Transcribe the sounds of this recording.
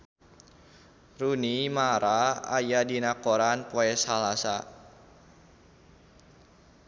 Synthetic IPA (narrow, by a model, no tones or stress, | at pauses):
runimaɾaa̰jadinakoɾankoɛsalasa